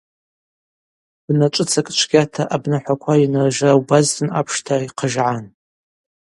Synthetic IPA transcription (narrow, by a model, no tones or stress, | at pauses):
b̥nat͡ʃʷʼɨt͡sʰakʼt͡ʃʷʰɡʲatʰaʔabnaħʷakʷʰainɨrʒrawbaztʰɨna̰pʰʂtʰaiqʰəʒʕan